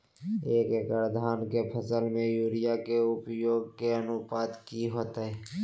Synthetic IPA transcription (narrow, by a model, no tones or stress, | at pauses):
eːkkəɾd̪ʱaːnkepʰəsəlmẽjuːɾɪjakeʊpjoːɡ̚keənʊpaːd̪kiɦoːt̪ɛː